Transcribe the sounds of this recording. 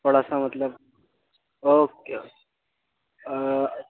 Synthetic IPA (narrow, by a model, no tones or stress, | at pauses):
oɽasamət̪ləb | okeo